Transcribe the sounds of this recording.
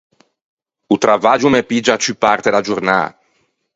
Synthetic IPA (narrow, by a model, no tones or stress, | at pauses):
ut̪ɾʔavad͡ʒumepid͡ʒat͡ʃypart̪ed̪ad͡ʒurna̰ː